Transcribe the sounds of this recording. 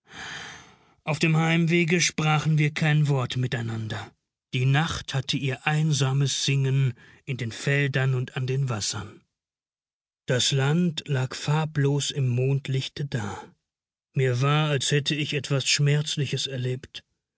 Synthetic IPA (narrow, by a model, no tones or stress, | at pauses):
ʔaʊfd̥eːmhaɪmveːɡəʃpʁ̥aːχn̩viːɐkʰaɪnvɔɐtmɪtaɪnandɐ | d̥iːnaχthatʰəiːɐʔaɪnzaːməsz̥ɪŋən | ʔɪndeːnfɛldɐnʊntandeːnvasɐn | d̥aslantlaːkfaɐploːsɪmːoːntlɪçtədaː | miːɐvaːɐalshɛtʰəɪçɛtv̥asʃmɛɐt͡slɪçəsɛɐleːpt